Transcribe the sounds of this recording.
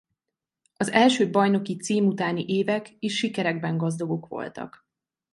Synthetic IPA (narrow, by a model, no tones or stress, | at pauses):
ɒzɛlʃøːbɒjno̞kit̪siːmut̪aːniʔeːvɛkeːʃːikɛɾɛɡ̚bɛŋɡɒzd̪ɒɡo̞kʋo̞̰lt̪ɒ̰k